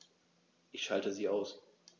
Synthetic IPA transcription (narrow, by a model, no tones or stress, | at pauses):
ʔɪçʃaltəziːaʊs